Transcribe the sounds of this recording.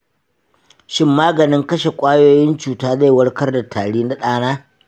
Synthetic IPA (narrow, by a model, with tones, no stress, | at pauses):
ʃɪ˦mːaː˦ɡɐ˨nɪ˦ŋkɐ˦ʃe˨kʷʼaː˦joː˦jɪ˦nt͡ʃuː˨taː˦za˦˨jwɐ˦ɽkɐ˦rda˨tʰaː˨ɽiː˦na˦ɗaː˦naː˦